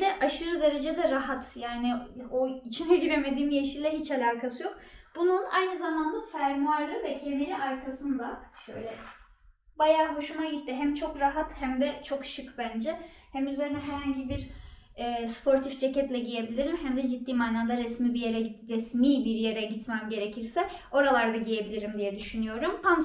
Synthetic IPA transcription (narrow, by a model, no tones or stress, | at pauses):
d̪ɛʔaʃɯɾɯd̪e̞ɾe̞d͡ʒɛd̪ɛɾaɦat̪jaːnioit͡ʃʰinɛɟiɾeme̞d̪iːmjeʃilʲɛɦit͡ʃalʲakʰasɯjo̞k̚bununa̰jnɯzamand̪afæɾmuaɾlɯvɛcʰend̪inʲiaɾkʰasɯnd̪aʃøjlʲɛ | bajaːbuʃunaɟit̪ːiɦæmt͡ʃʰo̞kɾaɦat̪hæmd̪ɛt͡ʃʰo̞kʃɯkbænd͡ʒɛhæmyze̞ɾinɛɦɛɾhaɲɟibiɾɛːspʰo̞ɾt̪ʰifd͡ʒecɛt̪lʲɛɟije̞bilʲiɾimhæmd̪ɛd͡ʒit̪ːiːmaːnaːd̪aɾɛsmiːbijeɾɛɾɛsmiːbiɾje̞ɾɛɟit̪mɛmɟe̞ɾe̞cʰiɾsɛo̞ɾalˠaɾd̪aɟije̞bilʲiɾimd̪ijɛd̪yʃynyjo̞ɾumpʰan